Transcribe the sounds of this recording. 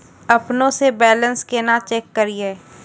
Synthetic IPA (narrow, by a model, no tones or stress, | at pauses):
ɐpnõsebɛːlə̃nskeːnat͡ʃeːkːɐɾieː